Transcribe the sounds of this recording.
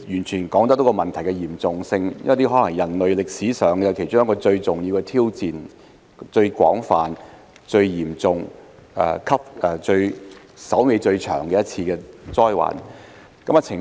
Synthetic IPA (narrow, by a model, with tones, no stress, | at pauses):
jyː˨˩nt͡ʃʰyː˨˩nkɔː˨˥ŋt̪ɐ˥t̪o˨˥kɔ˧mɐ˨nt̪ʰɐ˨˩jkɛ˧jiː˨˩mt͡sʊ˨ŋsɪ˧ŋ̰˥t̪iː˥ɦɔː˨˥lɐ˨˩ŋjɐ˨˩nlɵ˨ɥlɪ˨k̚siː˨˥sœː˨ŋɛ˨˧kʰe˨˩jt͡sʊ˥ŋjɐ˥kɔː˧t͡ʃɵ˧ɥt͡sʊ˨ŋjiː˧wkɛ˧t̪ʰiː˥wt͡siː˨n | t͡ʃɵ˧ɥkwɔ̰ː˨˥ŋfaː˨n | t͡ʃɵ˧ɥjiː˨˩mt͡sʊ˨ŋ | ʔɛ̰ː˨˧˩kʰɐ˥p̚ʔɛ˨˧t͡ʃɵ˧ɥsɐ˨˥wme˨˧jt͡ʃɵ˧ɥt͡ʃʰœ̰ː˨˩ŋkɛː˧jɐ˥t̚t͡sʰiː˧kɛː˧t͡sɔː˥jwa̰ː˨˩n | kɐ˨˥mɐ˧t͡sʰɪ˨˩